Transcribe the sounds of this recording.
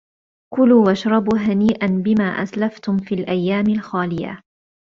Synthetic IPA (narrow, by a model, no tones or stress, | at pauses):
kʊluːwaʃɾˤɑbuːɦaniːʔanbɪmaːʔa̰slaft̪ʊmfiːlʔajːaːmɪlxaːlɪja̰